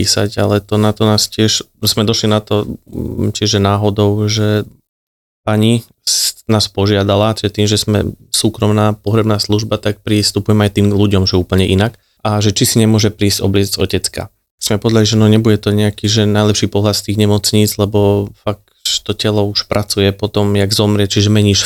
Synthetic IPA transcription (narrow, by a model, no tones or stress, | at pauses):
iːsa̰ca̰lɛt̪ɔnat̪ɔnaːscɪɛʃ | smɛd̪ɔʃlinat̪ɔ | t͡ʃiʒɛnaːɦɔd̪ɔʊʒɛ | paɲi | naːspɔʒɪad̪alat͡ʃiʒɛt̪iːmʒɛzmɛ̰suːkɾɔmnaːpɔɦɾɛbnaːsluʒbat̪ak̚pɾist̪upujɛmɛajt̪iːmɡluɟɔmʒɛuːpl̩ɲɛʔinak | ʔaʒɛt͡ʃisiɲɛmʊɔʒɛpɾiːzɟɔbliɛzzɔ̰cɛt͡ska̰ | smɛpɔʋɛd̪aliʒɛanɔɲɛbuɟɛt̪ɔɲɛakiːʒɛnaɪjlɛpʃiːpɔɦlat̪st̪iːɣɲɛmɔt͡sɲiːd͡zlɛbɔfak̚ | ʃt̪ɔcɛlɔuʃpɾʔat͡sujɛpɔt̪ɔmjaɡzɔmɾɪɛt͡ʃiʒɛmɛɲiːʃ